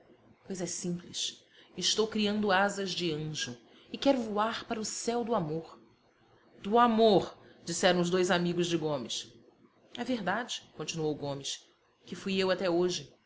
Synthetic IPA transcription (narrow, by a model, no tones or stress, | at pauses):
pojzɛsĩpliʃ | ɪʃt̪owkɾiɐ̃nd̪ʊazɐzd͡ʒɪɐ̃ʒʊ | ɪkɛɾʊvuaɾpaɾɐʊsɛwd̪ʊamoɾ | d̪̥ʊamoɾd͡ʒisɛɾɐ̃w̃ʊzd̪ojzamiɡʊzd͡ʒɪɡõmɪs | ɛveɾd̪ad͡ʒɪkõt͡ʃinuowɡõmɪs | kɪfujewat̪ɛoʒɪ